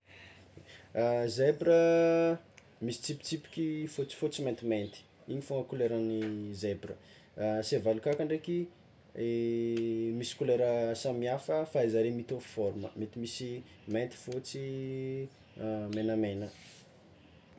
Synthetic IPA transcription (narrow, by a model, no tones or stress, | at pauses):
zebɾə | misi̥t͡sipi̥t͡sipi̥kʲifot͡si̥fot͡siment̪iment̪i̥ | iɲifoŋəkuleɾanizebɾə | sevalukakaɳɖ͡ʐeki | misi̥kuleɾəsamiafəfaizaɾemit̪ofi̥fɔɾumə̰met̪imisi | ment̪i̥fot͡si | menəmenə